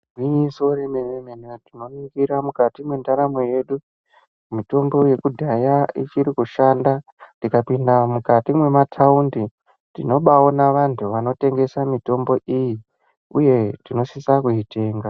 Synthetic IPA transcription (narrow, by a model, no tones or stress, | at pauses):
wiɲiso̞ɾenememenetino̞nikiɾamukatimwe̞ndaɾamoje̞ɗu | mito̞mbo̞je̞kudʱajait͡ʃiɾikuʃanda | tikapindamukatimwe̞matʰaundi | dino̞ɓao̞naʋantʰuʋano̞te̞ŋɡe̞samito̞mbo̞ʔiji | uje̞tino̞sisakuɦite̞ːŋɡa